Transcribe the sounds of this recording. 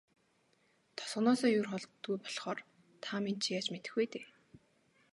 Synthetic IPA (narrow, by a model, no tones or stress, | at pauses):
t̪ʰɔ̥sʁ̥̆nɔːsɔːjʊrχɔɮtt̪ɡujpɔ̥ɮχɔːr | t̪ʰamint͡ɕʰjaːt͡ɕmet̪ɘ̆xujt̪eː